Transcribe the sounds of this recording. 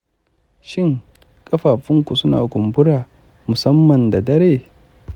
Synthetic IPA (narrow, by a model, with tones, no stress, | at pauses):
ʃɪ˦ŋ | kʼɐ˦ɸaː˨ɸɪ˦ŋkʷu˨sʊ˦na̰ː˨ɡʷʊ˨mbʊ˦ɽaː˨ | mʊ˨sɐ˦mːɐ˨nda˨dɐ˦ɾeː˦